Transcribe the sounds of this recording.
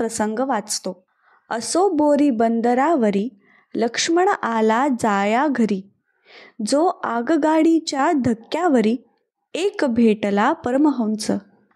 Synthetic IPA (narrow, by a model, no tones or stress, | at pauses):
pɾəsəŋɡəʋat͡st̪o | əsoboɾiːbənd̪əɾaʋəɾiː | ləkʂməɳ̃ʔalad͡zajaɡʱəɾiː | d͡zoaɡɡaɽit͡ɕjad̪ʱəkjaʋəɾiː | ekbʱeʈlapəɾməɦəwnt͡sə